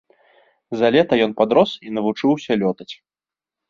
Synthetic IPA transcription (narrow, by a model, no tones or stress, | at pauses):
zalʲɛt̪ɐjɔnpad̪ɾɔsinɐvut͡ʂɨwsʲɐlʲɔt̪ɐt͡sʲ